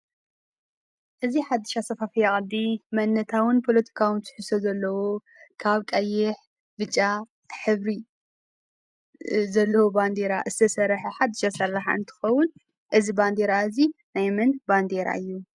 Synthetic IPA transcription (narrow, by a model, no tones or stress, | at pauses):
ʔɨziħad̪ːɨ̥ʃasɐfafijakʼɐd̪imɐnːɐt̪ʰawɨnpʰo̞lɐt̪ʰi̥kʰawɨnzʰɨ̥ħɨsozɐlːɐwo | kʰaβkʼɐjɪħ | bɨt͡ʃʼːa | ħɨβɾi | zɐlːɐwoband̪eɾaʔɨzɨt̪ʰɐsɐɾħɐħad̪ːɨʃasɐrːaħa̰ʔɨnt̪ʰɨ̥xɐwʊn | ʔɨziband̪eɾaɨzinajmɨnband̪eɾa̰ʔɨjːu